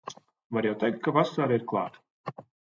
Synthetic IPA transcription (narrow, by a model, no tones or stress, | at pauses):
vaɾjawt̪ɛjk̚t̪̚kavasaːɾaiɾklˠɑ̰ːt̪